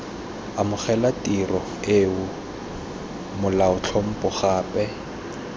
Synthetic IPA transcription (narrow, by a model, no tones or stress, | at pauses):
amʊχɛlatʼirɔ | eʊ | mʊlaʊt͡ɬʰɔm̩pʼʊχaːpɛ